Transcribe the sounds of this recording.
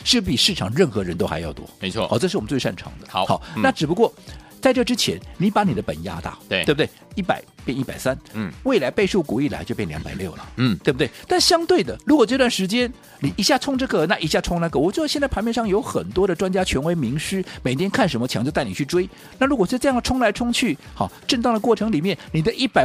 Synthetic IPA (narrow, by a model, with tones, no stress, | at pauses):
ʂɻ̩˥˧pi˨˩ʂɻ̩ʰ˥˩ɑ˨˩ŋɻə˥˩nxɤ˧˥ɻə˧˥nt̪o˥ʊxa̰˧ɪjɑ̰˥˩ʊt̪wɔ̰˥e˧˦wɔ̰˥˧˩xʈ͡ʂɤ˥˧ʂɻ̩˥˩˨m˦t͡swe˥˧ʂa̰˥˩nʈ͡ʂʰɑ̰˧˥ŋd̪ə˧˦xɑ˨˦na˥˩ʈ͡ʂɻ̩˨˩pu˧˥kwɔ˥˩ | t͡sa˥˧ɪʈ͡ʂɤ˥˩ʈ͡ʂɻ̩˥t͡ɕʰjɛ˧˥nni˧˥pa˧˥ni˨˩d̪ə˦pə̰˨˩nja̰˥t̪a̰˥˩˧b̚t̪e˥˩ɪi˥˩pa̰˨˩˦ɪpjɛ˥˧ni˥˩pa˨˩ɪsa˥nwe˥˩ɪla˧˥ɪpe˥˧ɪʂu˥˩ku˨˥i˥˩la̰˧˥ɪt͡ɕo˥˧ʊpjɛ˥˩ljɑ˧˥ŋpa˨˩ɪljo˥˩ʊlə̰˩t̪we˥˩b̚t̪e˥˩t̪a˥˩nɕjɑ˥ŋt̪we˥˩ɪd̪ə˩ɻu˧˥kwɔ˨˩ʈ͡ʂt̪wa˥˩nʂɻ̩˧˥t͡ɕjɛ˥n | ni˨˩i˧˥ɕja˥˩t͡sʰʊ˥ŋʈ͡ʂɤ˥˧˩ɡə˩na˥˩ʔi˧˥˩ɕja˥˩t͡sʰʊ˥ŋna˥˩ɡə˨˩wɔ˨˩t͡ɕwɔ˥˩d̪ɕɛ˥˧nt͡spʰnpjɛ˥˧nʂɑ˥˩ŋjo˧˥ʊxə̰˨˩nt̪wɔ˥d̪ə˨ʈ͡ʂwa˥nt͡ɕja˥t͡ɕʰɥɛ˧˥nwe˧˥ɪmi˧˥ŋʂɻ̩˥me˨˩ɪt̪ʰjɛ˥nkʰa˥˩nʂ̬ə˧˥nmə˧t͡ɕʰjɑ˧˥ŋt͡ɕjo˧t̪a˥˩n˨˩t͡ɕʰy˥˩ʈ͡ʂwe˥ɪ | na˥˩ɻu˧˥kwɔ˨˩˥ʈ͡ʂjɑ˥˩ŋəʈ͡ʂʰʊ˥ŋla˧˥ɪʈ͡ʂʰʊ˥ŋt͡ɕʰy˥˩ | xɑ̰˥˩ʈ͡ʂə˥˧nt̪ɑ˥˩ŋd̪ə˩kwɔ˥˩ʈ͡ʂʰɤ˧˥ŋli˨˩mjɛ˥˩nni˨˩d̪ə˦ʔi˥˩pa˨˩ɪ